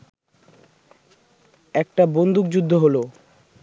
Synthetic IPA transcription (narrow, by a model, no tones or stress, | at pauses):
ɛk̚ʈabond̪ʱukd͡ʑud̪ʱːoɦolo